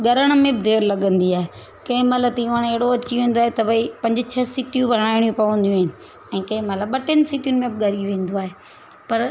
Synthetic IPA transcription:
ɡɐɾəɽ̃mẽbɪd̪ʱeːɾlɐɠə̃nd̪iaːɦe | kɐ̃ɪ̃mɐt̪ləb̚t̪ɐjũəɽ̃eɦɽoɐt͡ɕiʋẽːn̆d̪oaɦet̪ɐʋɐipɐ̃ɲd͡ʑt͡ɕʰɐsiːʈijũbʱɐɽ̃aːɪɽ̃jũpɐʋə̃nd̪jũaːɦɪnɪ̆ | ɛ̃ːkɐ̃ɪ̃mɐt̪ləbːɐʈənɪsiːʈijʊnɪ̆mẽbɪɡɐɾiʋʋẽːn̆d̪oaːɦe | pɐɾ

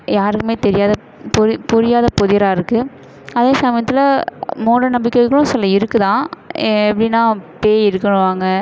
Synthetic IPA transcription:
jaːɾɯkːɯmeːt̪ɛɾɪjaːðɐ | pʊɾɪpʊɾɪjaːðɐpɔðɪɾaːɪɾɯkːɯ | ɐðeːsɐmɐjɐt̪ːɪlɐmoːɽɐnɐmbɪkːɐkːɐɭʊ̃sɛlːɐɪɾɯkːɯt̪ãːɛpːɐɽɪnːaːpeːɪɾɯkːɐɳʊ̃ʋaːŋɡɐ

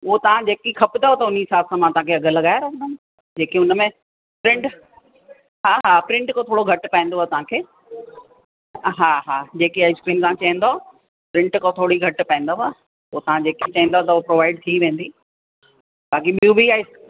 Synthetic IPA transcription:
ʊɦot̪ɐʋ̤ãd͡ʑeːkikʰɐpɪd̪aɦot̪ɐʊniɪsaːbsãmãt̪ɐɦãkʰeɐɡʱəlɐɠaːjaɾɐkʰə̃nd̪ən | d͡ʑeːkiʊnmẽ | pɾɪ̃ɳʈ | ɦaːɦaːpɾɪ̃ɳʈkot̪ʰoːɽoɡʱɐʈpɐ̃ẽnd̪oat̪ɐʋ̤ãkʰeː | ɦaːɦaːd͡ʑeːkiaːɪskɾiːnt̪ããt͡ɕɐɦĩn̆d̪o | pɾɪ̃ɳʈkot̪ʰoːɽiɡʱɐʈpɐ̃ɪ̃nd̪oɦa | ʊot̪ɐʋ̤ãd͡ʑeːkit͡ɕɐɦĩn̆d̪ot̪ɐʊopɾoːʋaːɪɖt̪ʰiʋẽːn̆d̪i | baːk̬iɓijũbiaːɪs

